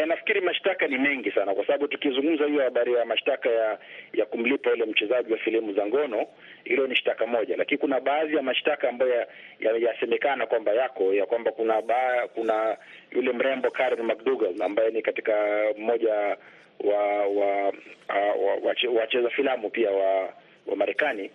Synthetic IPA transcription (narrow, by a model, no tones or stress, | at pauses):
ɛnafi̥kiɾimaʃtakanimɛŋɡisanakwasaɓaɓutukizuŋɡum̩zahijɔhaɓaɾijamaʃtakajajakum̩lipajulɛm̩t͡ʃɛzaʄiwafilimuzaŋɡɔnɔ | hilɔniʃtakamɔʄalakinikunaɓaːðijamaʃtakaːmbajɔajajasɛmɛkanakwambajakɔjakwambakunaakuna | jṵlɛm̩ɾɛmbɔkaɾɛnmak̚duɡalambajɛnikati̥kam̩mɔʄa | wawa | wawaɛwat͡ʃɛzafilamupiawa | wa̰maɾɛkani